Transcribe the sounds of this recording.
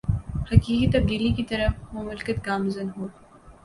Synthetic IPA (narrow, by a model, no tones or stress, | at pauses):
hɐkiːkit̪ɐb̚d̪iːlikit̪ɐɾəfmʊmʊlkət̪ɡaːmzənɦoː